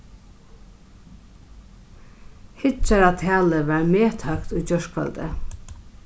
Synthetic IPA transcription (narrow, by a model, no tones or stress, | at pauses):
hɪt͡ʃaɾat̪ʰæːləʋaɹmeːt̪ʰœkt̪ujt͡ɕœʂkʰfa̰lt̪ə̰